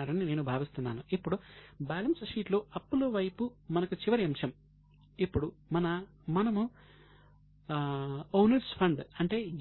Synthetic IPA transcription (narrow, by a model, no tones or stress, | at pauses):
aːɾɐnine̞ːnubʱaːʋist̪unːa̰ːnuipːuɽubaːlɐnsʂiːʈlo̞ːɐpːuloʋɐjpumɐnɐkut͡ʃiʋɐɾiɐmʂɐm | ipːuɽumɐnɐ | mɐnɐmu | oːnɐɾspʰɐɳɖɐɳʈe̞ː